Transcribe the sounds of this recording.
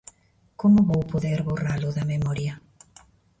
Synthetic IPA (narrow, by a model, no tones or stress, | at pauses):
komʊβowpoðɛɾβoralʊðɐmemɔɾjɐ